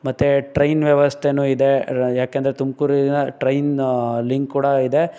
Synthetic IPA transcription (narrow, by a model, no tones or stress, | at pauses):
mɐt̪ːeʈɾɐjnʋjɐʋɐst̪ʰenuːid̪ejaːkeɐnd̪ɐɾet̪umkuːɾinɐʈɾɐjnliŋkkːuːɽɐid̪e